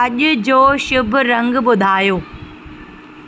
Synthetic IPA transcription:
ɐʄʊ̆d͡ʑoːʃʊbʱɾɐ̃ŋɡɓʊd̪ʱaːjoː

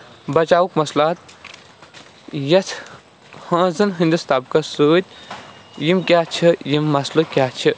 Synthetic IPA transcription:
bɐt͡ʃaːwukmɐslaːt̪̚ | jɐt̪ʰ | hãːzɨnɦind̪ɨst̪aːbkɐsuːt̪̚ʲ | jimkʲjaːt͡ʃʰɐjimːɐslukʲjaːt͡ʃʰi

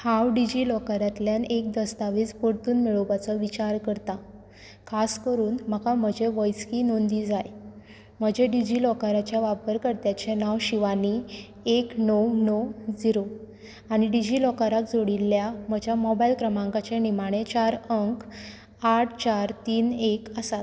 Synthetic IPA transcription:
hawɖid͡ʑilɔkaɾat̪ljanek̚d̪əst̪aʋiːt͡spəɽt̪uːnmiɭobat͡sɔʋit͡ɕaɾkəɾt̪a | kʰaskəɾuːnm̤əkam̤əd͡ʑeʋəjskinond̪iːd͡zaj | m̤əd͡ʑeɖid͡ʑiːlɔkaɾat͡ɕjaʋapəɾkəɾt̪jat͡ɕenaʋɕiʋani | eknɔwnɔwd͡ziɾo | aɽ̃iɖid͡ʑilɔkaɾak̚d͡zoɽilːjam̤əd͡ʑjamɔbailkɾəmãŋkat͡ɕenimaɽ̃et͡ɕaɾəŋk | aʈʰt͡ɕaɾt̪iːnekəsat̪̚

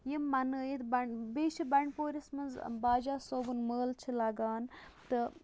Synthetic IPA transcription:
jimːɐnjit̪bɐɳbeːʃibɐɳpoːɾʲɐsmɐnzbaːd͡ʒaːsoːbunməːlt͡ʃʰilɐɡaːnt̪ɨ

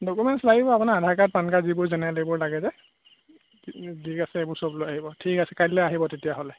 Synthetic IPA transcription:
dokumɛntslaɡibɔapunaɹadʱakat̚pankaɹzibʊɹzɛnɛlebʊɹlaɡɛzɛ | zikasɛebʊɹsɔblojaɦibɔtʰikasɛkajllɛaɦibɔtetijaɦolɛ

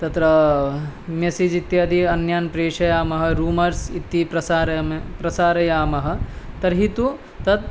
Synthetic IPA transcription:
t̪ɐt̪ɾɐ | mjɐsid͡ʒit̪ːjiɐd̪ʱiɐnjaːnpɾeːʃɐjaːmɐɦɐ̆ɾuːmɐɾsit̪ːipɾɐsaːɾɐmpɾɐsaːɾɐjaːmɐɦɐ̆t̪ɐɾɦit̪u | t̪ɐt̪̚

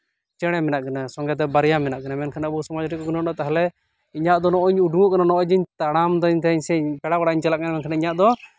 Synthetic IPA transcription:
t͡ʃɛɽ̃ɛmɛnaʔkanasɔŋɡɛt̪̬ɛbaɾjamɛnaʔkanamɛnkʰanaəbusamɔd͡ʒɾikɔkunɔnɔt̪aɦɛlɛ | iɲaʔd̪ɔnɔʔɔɲuɖuŋɔʔkananɔʔɔɲd͡ʒiɲt̪aɽ̃amd̪ɔɲt̪ɛɲsɛɲpɛɽakaɽaʔiɲt͡ʃɛlaʔkanamɛnkʰanaiɲaʔd̪ɔ

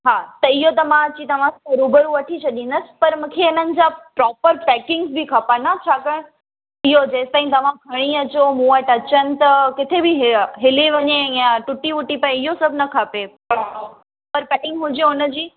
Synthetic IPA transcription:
ɦaːt̪ɐɪɦot̪ɐmãt͡ɕit̪ɐʋ̤ãɐɾubəɾũʋɐʈʰit͡ɕʰɐɗĩnd̪əsɪ̥̆pɐɾmũkʰeɪnənɪ̆d͡ʑapɾɔːpəɾpɛːkɪ̃ŋɡzbikʰapanat͡ɕʰaːkəɽ̃ | ɪɦod͡ʑeːst̪aːĩt̪ɐʋ̤ãɡʱɐɽ̃iɐt͡ɕomũːəʈɐt͡ɕənɪ̆t̪ɐkɪt̪ʰebʱiɦɦɪliʋɐɲejãʈʊʈiʊʈipaːẽɪɦosɐbʱnɐkʰaːpe | pəɾpɛːkɪ̃ŋɡɦʊd͡ʑeʊnəd͡ʑiː

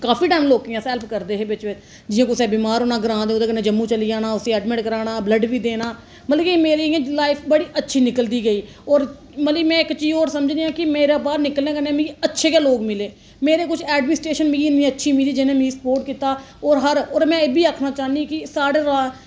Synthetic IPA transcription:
kaːpʰiːʈaːɪmloːkɪjãːsɛːlpʰkəɾd̪eːɦeːbɪt͡ʃʋɪ | d͡ʒɪjãːkʊsɛːbiːmaːɾɦoːnaːɡəɾãːd̪eoːd̪eːkənẽːd͡ʒəmːũːt͡ʃəliːaːnaːʊseɛːɖmɪ̃ʈkəɾaːnaːbləɖʋiːd̪eːnaː | mət̪ləimeːɾiːãːlaːɪpʰbəɽiːʔətːʃʰiːnɪkəld̪iːɡəiː | ɔːɾ | mət̪ləmɛ̃ːɪkt͡ʃiːoːɾsəməd͡ʒd̪ejãːkɪmeːɾaːbaːɾnɪkəlẽːkənẽːmĩətːʃʰeːkaːloːɡmɪleː | meːɾeːkʊt͡ʃʰɛːɖmɪnsʈɾeːʃənmiːiːnĩːətːʃʰiːmiliːd͡ʒɪnẽːmĩisə̥poːɾʈkɪt̪aː | ɔːɾɦəɾɔːɾmɛ̃ːeːbiːaːkʰnaːt͡ʃaːnikɪsaːɽeːɾaː

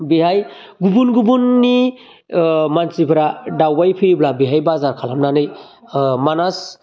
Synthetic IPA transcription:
biɦaj | ɡubunɡubunːi | mansipʰɾadawbajpʰiɾiblabiɦajbazaɾkʰalamnanɯj | manas

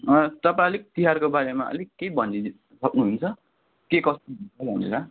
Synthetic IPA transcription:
ʌt̪ʌpaãlik̚t̪iɦarkobaɾemaʌ̰likːejbʱʌni | sʌknuɦunt͡sʰʌ | kekʌst̪oɦunt͡sʌbʱʌnela

